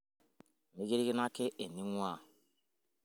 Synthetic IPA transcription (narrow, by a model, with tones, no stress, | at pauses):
mi˦ɡe˦ɾi˦ɡi˦na˦ke˦ʔe˨ni˦ŋwa˦˨